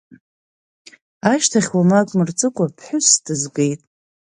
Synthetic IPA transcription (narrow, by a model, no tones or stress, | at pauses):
aʃtʰaχʲwamakʷʼmɨrt͡sʼɨkʷʼapʰħʷʊsdɨzɡe̞jtʼ